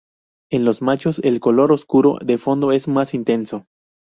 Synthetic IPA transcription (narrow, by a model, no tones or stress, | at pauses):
e̞nlo̞zmat͡ʃo̞selko̞lo̞ɾoskuɾo̞̰ðe̞fo̞nd̪o̞e̞zmasint̪e̞nso̞